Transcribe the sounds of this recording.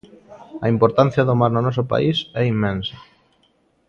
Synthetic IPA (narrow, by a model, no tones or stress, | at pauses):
ɐimpoɾt̪an̟θjaðomaɾnonɔs̬ʊpa̰isɛimːẽnsḁ